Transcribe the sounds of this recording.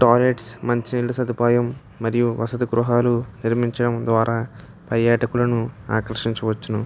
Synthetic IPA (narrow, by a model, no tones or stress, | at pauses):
ʈoːleʈsmɐɲt͡ʃinilːusɐd̪upaːjɐmː | ɐɾijuʋɐsɐt̪ɐɡɾuɦaːluniɾmiɲt͡ʃɐɽɐmd̪ʋaːɾaː | pɐɾjaːʈɐkulɐnua̰ːkɾɐɾʂiɲt͡ʃuʋɐt͡ʃːunu